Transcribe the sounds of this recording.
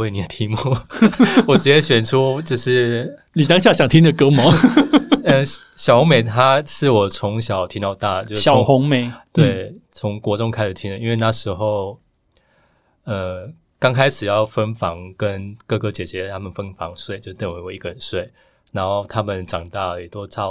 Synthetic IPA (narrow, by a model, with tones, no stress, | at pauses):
we˥˩ɪni˨˩d̪ə˦t̪ʰi˧˥mu˥˧ | wɔ˨˩ʈ͡ʂ̩˧˥t͡ɕjɛ˧˥ɕɥɛ˨˩nʈ͡ʂʰu˥t͡ɕjo˥˧ʊʂɻ̩˥˩ni˨t̪ɑ˥ŋɕja˥˩ɕjɑ˨˩ŋt̪ʰi˥ŋd̪ə˨kɤ˥mɔ˨˥˦ | ə˥˧ | ɕjɑ˨˩ʊhʊ˧˥ŋme˨˩ɪt̪ʰa˥ʂɻ̩˥˩wɔ˨˩t͡sʰʊ˧˥ŋɕjɑ˨˩ʊt̪ʰi˧˥t̪ɑ˥˧ʊt̪a˥˩t͡ɕjʊ˥˨jɑ˨o˦ʊŋxʊ˧˥ŋme˨˩ɪt̪we˥˩ɪt͡sʰʊ˧˦ŋkwɔ˧˥ʈ͡ʂʊ˥ŋkʰa˥ɪʂ̩˨˩t̪ʰi˥ŋd̪ə˨i˥nwe˥˧ɪna˥˩ʂɻ̩˧˥xo˥˩ʊ | ə˩ | kɑ˥ŋkʰa˥ɪʂɻ̩˨˩jɑ˥˩ʊfə˥nfɑ˧˥ŋkə˦nkɤ˥˩kɤ˥t͡ɕjɛ˨˩t͡ɕɥɛ˧˦˧t̪ʰa˥mə˨nfə˥nfɑ̰˧˥ŋswe˥˩ɪt͡ɕjo˥˧˩t̪i˥˩nwe˧˥ɪwɔ˨˩i˧˥ɡə˧˩ə˨˩nswe˥˩ɪ | na˧˥nxo˥˩ʊt̪ʰa˥mə˨nʈ͡ʂɑ˨˩ŋt̪a˥˩y˨˩t̪wɔ˥t͡sʰɑ˥˩